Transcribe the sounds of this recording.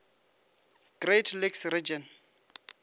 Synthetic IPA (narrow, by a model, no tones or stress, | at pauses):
ɡ̥retʰliksrid͡ʒɔn